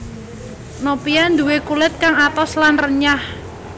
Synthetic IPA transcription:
nopiand̪uwekulɪt̪̚kaŋat̪ɔslanrəɲah

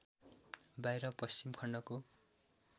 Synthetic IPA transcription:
bajɾʌpʌst͡ɕimkʰʌɳɖʌko

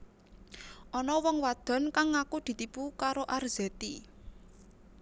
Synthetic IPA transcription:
ʔɔnɔwɔŋwad̪̥ɔ̤nkaŋːakud̪̥i̤t̪ipukaɾoʔarz̥et̪i

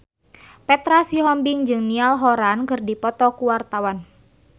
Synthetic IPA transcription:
pɛt̪ɾasiɦɔmbiŋd͡ʒɨŋnialɦɔɾankɨrdipɔt̪ɔkuwart̪awan

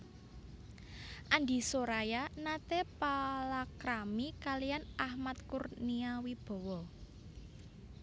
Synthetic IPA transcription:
ʔand̪i̤soɾajanat̪epalakɾamikalijanʔahmat̪̚kurniawib̥ɔ̤wɔ

